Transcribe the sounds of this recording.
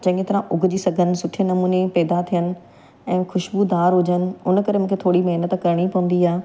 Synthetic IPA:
t͡ɕɐ̃ɦɪ̃ɡet̪ɐɾãʔʊɡʱʊd͡ʑisɐɡʱənɪ̆sʊʈʰienɐmuːnepɛːd̪at̪ʰijənɪ̆ | ɛ̃ːxʊʃbud̪aːɾɦʊd͡ʑənɪ̆ʊnə̆kɐɾemũːkʰet̪ʰoːɽimɐɦnət̪kɐɾɪɽ̃ipɐ̃ʋə̃nd̪iaː

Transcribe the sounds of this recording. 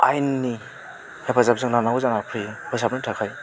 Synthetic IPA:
a̰jnːi | hepʰazap̚zɯŋlanawzanapʰɾihɔjs̬apnitʰakʰaj

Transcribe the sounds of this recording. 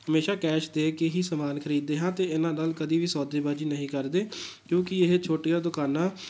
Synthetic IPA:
ɦəmeːʃaːkɛːʃd̪eːkeɦiːsəmaːnkʰəɾiːd̪ːeːɦãːt̪eːɪnãːnaːlkəd̪iːʋiːsɔːd̪eːbaːd͡ʒiːnəɦĩːkəɾd̪eː | kjõːkɪeɦt͡ʃʰoːʈijãːd̪ʊkaːnãː

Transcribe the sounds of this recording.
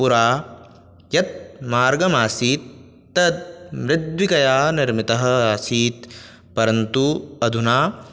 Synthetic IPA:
puɾaː | jɐt̪̚maːɾɡɐmaːsiːt̪̚ː | ɐd̪̚mɾɪd̪wikɐjaːnɪɾmɪt̪ɐɦɐ̆aːsiːt̪ | pɐɾɐnt̪uɐd̪ʱunaː

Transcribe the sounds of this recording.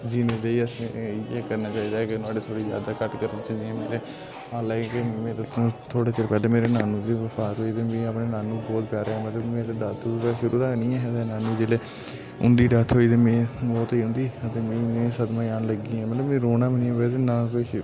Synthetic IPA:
d͡ʒiːnẽːd̪eiəseːkəɾnaːt͡ʃaːiːd̪aːkɪnaːɽeːt̪ʰoːɽiːzja̰ːd̪aːkəʈkəɾnaːt͡ʃãːdiɛ̃ːmeːɾeː | aːlakemẽːt̪at̪ːt̪ʰoːɽeːt͡ʃəːɾpɛːleːmeːɾeːnaːnũːd͡ʒeʋəfʰaːt̪ɦoːiːt̪eːmĩːəpneːnãːnũːbɔːt̪pjaːɾeɛ̃ːmət̪ləbmeːɾeːd̪ət̪ɾaːʃʊɾuːd̪aːnĩːɛ̃ːɦɛt̪eːnaːnũːd͡ʒeːleː | ʊ̰nd̪iːɾət̪ʰːɦoːiːt̪eːmẽːbɔːt̪iːʊ̃nd̪iːət̪eːmĩːmẽːsəd̪mãːiaːnləɡiːɛ̃ːmət̪ləbmẽːɾoːnãːmnĩːobeːt̪̬eːnãːkoʃ

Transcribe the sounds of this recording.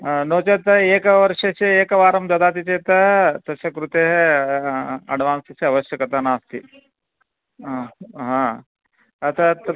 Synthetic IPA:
noːt͡ʃɐt̪ɐeːkɐʋɐɾʂɐsɐeːkɐʋaːɾɐmd̪ɐd̪aːt̪̬it͡ʃeːt̪ɐt̪ɐʃɐkɾut̪eːɦɐ | ɐ̰ɖʋaːnsɐsɐɐʋɐʃjɐkɐt̪ɐnaːst̪i | ɦãː | ɐt̪ʰɐt̪

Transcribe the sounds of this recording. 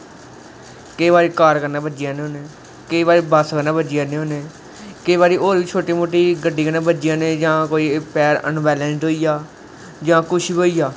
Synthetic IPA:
keiːʋaːɾiːkaːɾkəɾnaːbəd͡ʒɪjãːneːɦoːneː | keːʋaːɾiːbəskəɾnaːbəd͡ʒɪjãːnẽːɦõːneː | keːʋaːɾiːʔoːɾʋiːt͡ʃʰoːʈiːmoːʈiːɡəɖːiːkəɾnãːbəd͡ʒɪjãːneːd͡ʒãːkoːiːpɛːɾə̰nbɛːlɛ̃ːnsʈɦoːiːjaː | d͡ʒãːkʊʃiːboːiːjaː

